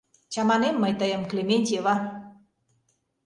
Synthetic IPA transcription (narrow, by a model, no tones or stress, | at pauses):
t͡ɕɑmɑnemːəjt̪əjəmklʲemʲenʲt̪ʲeβɑ